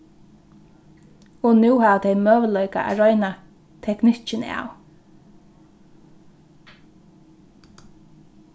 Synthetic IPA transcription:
ɔnʉːhaːʋt̪ʰɛjmœːʋəlœʏka̰ʔa̰ɹɔjna | t̪ʰɛknɪt͡ʃɪna̰ːw

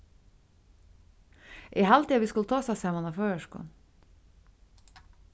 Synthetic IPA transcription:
ʔiːhɑlt̪iːɑʋiːskʉlt̪ʰɑːsɑsæmɑnɑføːəʃkʊ̰n

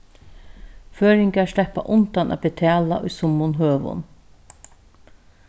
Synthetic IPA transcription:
føːɾɪŋkaslɛhpa̰ʔʊnt̪anʔa̰bɪt̪ʰɛːla̰ʔʊjsʊmʊnɦøːʋʊ̰n

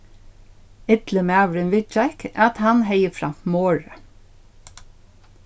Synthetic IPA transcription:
ɪt̪ləmɑʋɾɪnʋɪt͡ʃækat̪hanɦejəfɾɑ̰mfmoːɹə

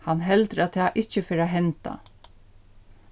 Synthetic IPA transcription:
hɑnɦɛld̪ɾɑt̪ʰɪɑʔɪçəfœɾoːɦɛnt̪ɑ̰

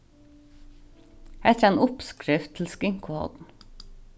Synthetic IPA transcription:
ɛt̪əɾæɪnʊpskɾɪft̪ʰːɪl̩skɪŋkʊhɔ̰d̪n̩

